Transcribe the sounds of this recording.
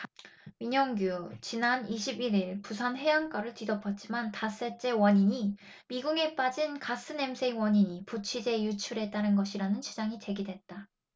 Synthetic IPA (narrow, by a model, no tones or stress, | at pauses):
miɲʌŋɡjut͡ɕinaniɕʰibiɾiɭpusʰanɦe̞jaŋk͈aɾɯɭtidʌpʰʌt̚t͡ɕ͈imantas͈e̞t͡ɕ͈e̞wʌɲiɲi | miɡuɡe̞p͈ad͡ʑinkas͈ɯne̞msʰe̞iwʌɲiɲiput͡ɕʰid͡ʑe̞jut͡ɕʰuɾe̞t͈aɾɯnɡʌɕʰiɾanɯnt͡ɕid͡ʑaŋit͡ɕe̞ɡidwe̞t̚t͈a